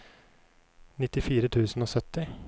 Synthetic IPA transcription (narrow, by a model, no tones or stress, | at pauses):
nɪt̪ːɪfiːɾət̪ʰʉːsn̩oːsœt̪ːɪ